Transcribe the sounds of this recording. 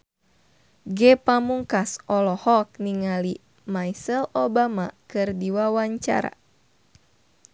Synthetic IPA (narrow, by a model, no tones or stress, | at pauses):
ɡɛpamuŋkasʔɔlɔhɔk̚niŋali | majsɛlobamakɨrdiwawaɲt͡ʃa̰ɾa̰